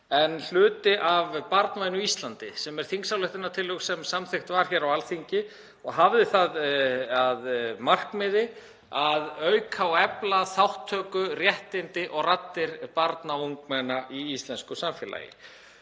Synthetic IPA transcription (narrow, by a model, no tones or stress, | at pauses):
ɛnl̥ʏːt̪ɪʔavpaɾt̪nvajnʏist̪lant̪ɪ̰sɛmɛɾ̥θiŋksawlɛht̪ɪnːat̪ʰɪlːœksɛmsamθɪxt̪vaɾ̥çɛɾawalθiɲcɪ | ɔɣɦavðɪθaðaðmar̥kmɪðɪ | aðœɥkʰawɛplaθawht̪ʰːœːkʏrjɛht̪ɪnt̪ɪʔɔɣrat̪ːɪɾpaɾt̪nauŋk̚mɛnaʔiist̪lɛnskʏsamfjɛla̰ːjɪ̰